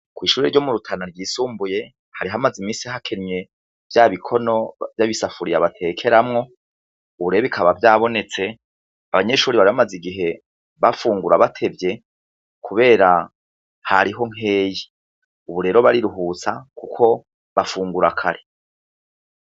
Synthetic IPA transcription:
kwiːʃuːɾeɾɟo̞muɾutʰanaɾɡiːsuːmbuje̞ | haɾiɦamazimiːnsiɦakʰeɾme̞ | vjaːβikʰo̞no̞vjaβisafuɾijaβatʰe̞ːkʰe̞ɾamŋo̞ | uβuɾeɾoβikʰaβavjaːβo̞ne̞t͡se̞ | aβaɲe̞ʃuːɾiβaɾiβamaziɡiɦe̞ | βafuːŋɡuɾaβatʰe̞vje̞ | kʰuβe̞ːɾa | haɾiɦo̞ŋ̥e̞ːji | uβuɾe̞ːɾo̞βaɾiɾuɦuːt͡sakukʰo̞ | βafuːŋɡuɾakʰaɾe

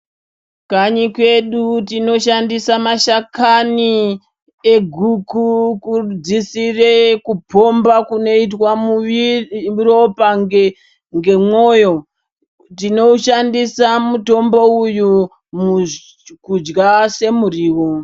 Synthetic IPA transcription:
kaɲikwe̞ɗutino̞ʃandisamaʃakani | eɡʱukukud͡zisirekupo̞mbakuno̞itwamuiuropaŋe | ŋɡe̞mo̞ːjo̞ | tino̞uʃandisamuto̞mbo̞uju | m | kud͡ʒɡase̞muriːwo

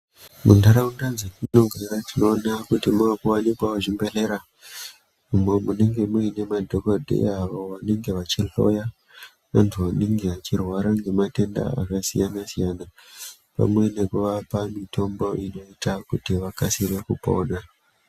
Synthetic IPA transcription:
mṵndaɾaundad͡zekino̞ɡʱeɾatino̞ːnakutimakuwanikwaoʐimbe̞ɬe̞ɾa | ume̞mune̞ŋɡe̞muine̞madʱo̞kodʱḛaʋoʋane̞ŋɡe̞ʋat͡ʃiɬo̞̰ja | ʋantʰuʋane̞ŋɡe̞ʋat͡ʃirwaɾaŋɡe̞mate̞nda̰a̰kasḭjanasijana | pa̰mwe̞ne̞kuʋapamitʰo̞mbo̞ʔino̞itakutiʋakasire̞kupo̞̰ːna

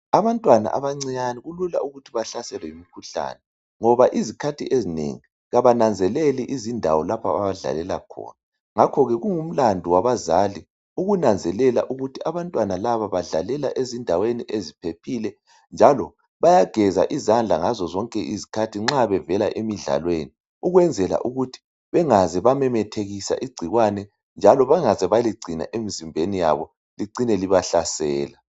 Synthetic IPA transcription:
aβantʼwana̰ʔaβaŋ͡ǀiɲaniɣulula̰ʔuɣutʰiβaɬasɛlɛimikʰuɬa̰ːnɛ | ŋɔβaʔizikʰatʰiʔezinḛŋi | ɣaβanand͡zʱɛlɛlɛʔizindʱa̰wɔlapʰa̰βa̰βaɮa̰lɛla̰kʰɔ̰ːna | ŋakʰɔɣɛɣuŋum̩landʱiwaβazali | uɣunand͡zʱɛlɛla̰ʔuɣutʰiʔaβantʼwanalaβaβaɮa̰lɛla̰ʔezindʱaweniʔezipʰepʰilɛ | nd͡ʒʱalɔ | βajaɡ̥ʱɛza̰ʔizand͡ɮʱa̰ŋazɔzɔŋkʼɛʔizikʰatʰiŋ͡ǁaβɛvɛlaʔemiɮa̰lweni | uɣwɛnd͡zʱɛla̰ʔuɣutʰi̥ | βɛŋazɛβamɛmɛtʰeɣisa̰ʔiɡ͡ǀʱiɣwanɛ | nd͡ʒʱalɔβaŋazɛβaliɡ͡ǀʱina̰ʔemizimbʱenija̰βɔ | liǀinɛliβaɬasɛːla

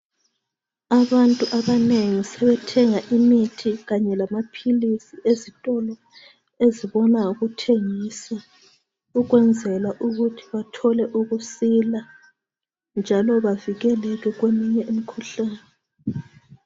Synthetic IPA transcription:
aβantʼuʔaβaneŋisɛβɛtʰɛŋaʔimitʰiɣaɲɛlamapʰilisiezitʼɔlɔ | eziβɔnauɣutʰeŋiːsa | uɣwɛnd͡zʱɛlaʔuɣutʰi̥βatʰɔlɛʔuɣusila | nd͡ʒʱalɔβaviɣɛlɛɣɛɣwemiɲɛʔimikʰuɬaːnɛ

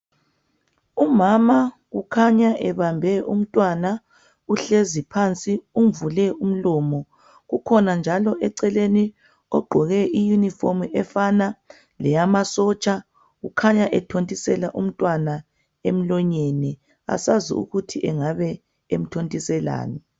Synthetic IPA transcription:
umama | ɣukʰaɲaʔɛβambʱɛʔum̩tʼwana | uɬezipʰant͡sʼiumvulɛum̩lɔːmɔ | ɣukʰɔnand͡ʒʱalɔʔɛǀɛleni | ɔɡ͡ǃʱɔɣɛijunifomʔɛfana | lɛjamasɔt͡ʃʼa | ɣukʰaɲaʔɛtʰontʼisɛlaʔum̩tʼwana | em̩lɔɲenɛ | a̰sazḭṵɣutʰiʔɛŋaβɛ | em̩tʰontʼisɛla̰ːnɛ

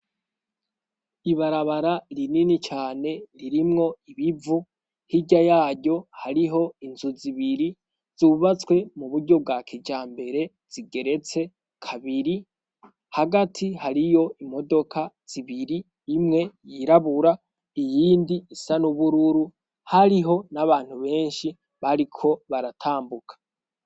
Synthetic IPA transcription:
iβaɾaβaɾaɾininit͡ʃaːne̞ɾiɾimŋo̞iβivu | hiɟajaːɟɟo̞haɾiɦo̞inzuziβiɾi | z̥uβat͡swe̞muβuɾɟo̞b̚ɡakʰid͡ʒaːmbe̞ɾe̞ | z̥iɡe̞ɾe̞t͡se̞ | kʰaβiɾi | haɡatʰihaɾijo̞imo̞do̞kʰaz̥iβiɾiː | mŋe̞jiɾaβuɾa | ijiːndiːsanuβuɾuɾu | haɾiɦo̞naβaːn̥huβe̞ːnʃi | βaɾikʰo̞βaɾatʰaːmbukʰḁ

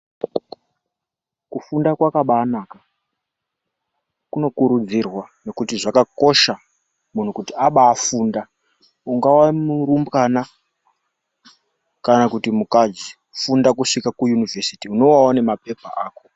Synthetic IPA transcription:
kufundakwakaɓaːnaːka | kuno̞kuɾud͡zirwane̞kutiʐakako̞ʃa | mun̤ukutiaɓaːfuːnda | uŋɡawamuɾumbɣana | kanakutimukad͡ʒi | fundakuʂikakujunivʱesitiuno̞wawone̞mape̞pa̰ʔaːko̞̥

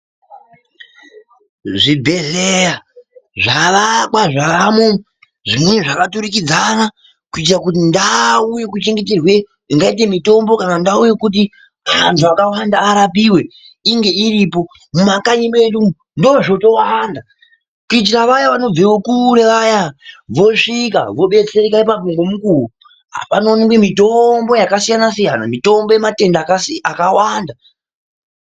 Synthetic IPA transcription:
ʐibʱe̞ɮejaʐaʋakwaʐaamu | ʐimweneʐakatuɾikid͡zana | kuit̬irakutindauje̞kut͡ʃe̞ŋɡe̞t̬erwe̞ | iŋɡait̬e̞mito̞mbo̞kanandaujekut̬i | mantʰuakawandaːɾapiwe̞ | iŋɡe̞iɾipo̞ | mumakaɲimedum | ndo̞ʐoto̞wanda | kuit͡ʃiraʋajaʋano̞b͡vewokuɾe̞ʋajaʋo̞ʂika̰ʋoɓe̞t͡serekaipap̬oŋɡomukuu | ɦa̰pano̞niŋɡemito̞mbo̞jakasijanasijana̰mito̞mbo̞jemate̞ndaksakawanda

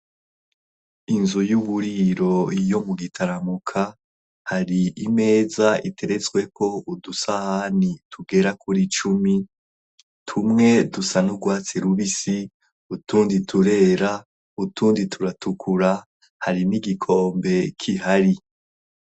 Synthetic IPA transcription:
inzujuβuɾiɾo̞jo̞muɡitʰaɾamukʰa | haɾiʔime̞ːzaʔitʰe̞ɾe̞t͡swe̞ko̞udusahanitʰuɡe̞ɾakʰuɾit͡ʃumi | tʰumŋe̞dusanuɡwaːt͡seɾuβisi | utuːnditʰuɾe̞ːɾa | utuːnditʰuɾatukʰuɾa | haɾiniɡikʰo̞ːmbe̞kʰiɦaɾi

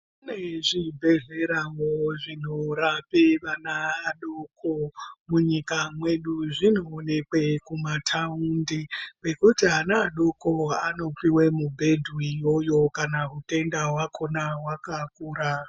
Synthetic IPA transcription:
neʐibʱe̞ɮe̞ɾaŋoʐin̤orapeʋanaːɗokʰomuɲikamwe̞ɗuʐino̞ːne̞kwe̞kumatʰaundibe̞kutiɦanaːɗoko̞ano̞piwemubʱe̞dʱuijo̞jo̞kanaɦute̞ndawakʰo̞nawakakuːɾa

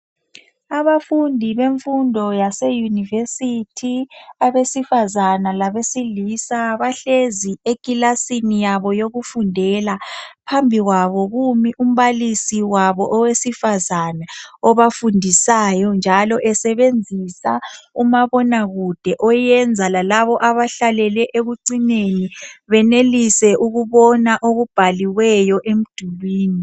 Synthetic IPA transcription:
aβafundʱiβeɱfundʱɔjasejunivesitʰiaβesifazanalaβesilisaβaɬeziekʼilasinijaβɔjoɣufundʱɛlapʰambʱiɣwaβɔɣumiʔum̩βalisiwaβɔʔɔwesifazanaɔβafundʱisajɔnd͡ʒʱalɔʔɛsɛβend͡zʱisaumaβɔnaɣud̥ʱɛʔɔjɛnd͡zʱalalaβɔʔaβaɬalɛlɛʔeɣuǀineniβɛnelisɛʔuɣuβɔnaʔoɣub̥ʱaliwɛjɔʔem̩d̥ʱuβiːni

